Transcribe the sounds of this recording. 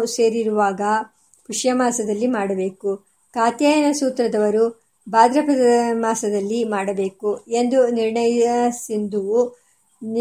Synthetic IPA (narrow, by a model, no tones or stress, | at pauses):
se̞ːɾiɾuʋaːɡɐ | puʂjɐmaːsɐd̪ɐlːimaːɽɐbe̞ːku | kaːt̪jaːjɐnɐsuːt̪ɾɐd̪ɐʋɐɾu | baːd̪ɾɐpɐd̪ɐɐmaːsɐd̪ɐlːimaːɽɐbe̞ːkue̞nd̪uniɾɳɐjɐsind̪uu | n